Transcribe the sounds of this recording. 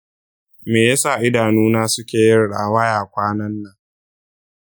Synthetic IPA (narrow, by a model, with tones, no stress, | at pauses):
meː˨ja˦sa˦˨ʔɪ˦daː˨nuː˦naː˦sʊ˦kʲeː˨jɪ˦rɽa̰˨wɐ˦jaː˨kʷaː˦nɐ˦nːɐ˨ŋ